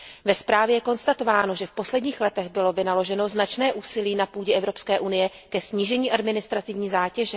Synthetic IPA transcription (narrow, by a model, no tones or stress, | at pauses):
vɛspɾaːvjɛjɛko̞nst̪at̪o̞vaːno̞ʒɛfpo̞slɛdɲiːxlɛt̪ɛɣbɪlo̞vɪnalo̞ʒɛno̞znat͡ʃnɛːʔuːsɪliːnapuːɟɛɛvɾo̞pskɛːʔunɪjɛkɛsɲiːʒɛɲiːʔadmɪnɪst̪ɾat̪ɪvɲiːzaːcɛʒɛ